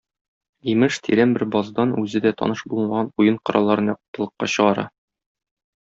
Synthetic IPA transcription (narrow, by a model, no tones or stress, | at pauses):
imɘʃt̪ʰḭɾæmbɘɾbɒzd̪ɑnʉzɘd̪æt̪ʰɒ̰nɤʃbulˠɤmɑʁɑnujɤɴqɒɾʔɑ̰lˠɑɾɤnjɒq̚t̪ːɤ̆lˠɤ̆qːɑɕɤ̆ʁɑɾɑ̰